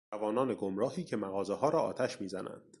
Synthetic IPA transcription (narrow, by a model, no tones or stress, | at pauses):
ævɒːnɒːne̞ɡomɾɒːhiːcʰe̞mæɣɒːzehɒːɾɒːʔɒ̰ːt̪ʰæʃmiːzænæ̰nd̪̥